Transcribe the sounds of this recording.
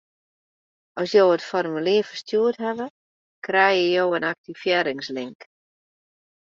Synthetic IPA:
ʔɔsjoːətfɔrmylɪːfərstjuətɦɛʋə | krɛjəjoːənak̚tifjɛːɾɪŋslɪŋk

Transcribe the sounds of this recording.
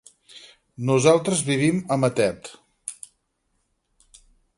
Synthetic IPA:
nuzalˠt̪ɾəzβiβ̞iməmət̪ɛt̪

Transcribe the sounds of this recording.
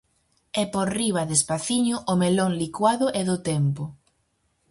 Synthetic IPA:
ɛpoɾriβ̞aðespaθiɲʊʔomeloŋlikwaðʊʔɛðʊt̪ɛmpʊ

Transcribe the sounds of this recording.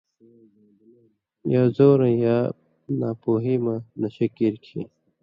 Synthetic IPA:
jaːzoːɾɐjaː | naːpoːɦimanɐɕɐkiɾkʰḭ

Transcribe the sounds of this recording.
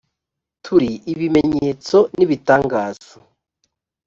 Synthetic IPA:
tʰuɾiʔiβime̞ɲe̞ːt͡so̞niβitaːŋɡaːz̥o̥

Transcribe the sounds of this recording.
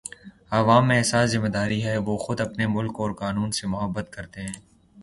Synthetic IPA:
aːʋaːmːẽɛsaːszɪmːed̪aːɾiɦɛʋoxʊd̪ɐpnemʊlkɔːɾqaːnuːnsemʊɦəbːət̪kɐɾt̪eɦɛ̃ː

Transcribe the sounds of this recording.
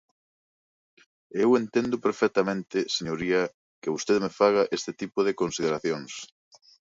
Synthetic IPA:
ewent̪end̪ʊpeɾfɛk̚t̪amẽnt̪ɪseɲoɾiɐ | kɪβust̪eðemefaɣɐʔest̪ɪt̪ipʊðɪkonsið̞eɾaθjoŋs

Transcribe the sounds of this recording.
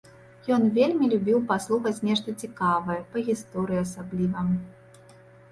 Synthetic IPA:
jɔnvʲelʲmʲilʲubʲiwpaslˠuxɐt͡sʲnʲɛʂt̪ɐt͡sʲikavɐjɐpɐɣʲist̪ɔɾɨjiɐsablʲivɐ

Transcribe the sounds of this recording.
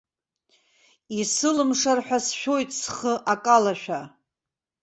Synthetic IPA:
isɨlɨmʂarħʷᶣasʃᶣo̞jtʼsχəʔakʼalaʃᶣa

